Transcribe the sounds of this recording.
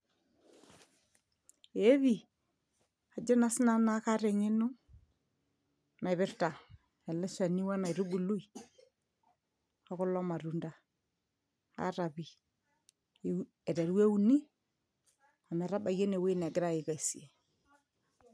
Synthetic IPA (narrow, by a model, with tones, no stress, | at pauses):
e˦βi˨ | a˨d͡ʒe˦na˦sna˦na˦ka˦ɾe˨ŋe˦nu˦ | na˨jβɪ˦ɾta˨ | ɛ˨lɛ˦ʃa˨ni˦wa˦na˨i˨ɾu˦bu˨lu˦i˨ | a˦kʊ˦lɔ˦ma˨ɾu˨nda˨ | a̰˦ɾa˨βi˨ | ɛ˨ɾɛ˨ɾwe˦u˦ni˦ | a˨mɛ˨ɾa˦ba˨je˦ne˨we˦nɛ˨ɡɪ˦ɾa˦ɪ˨ka˨i˨si˨e˨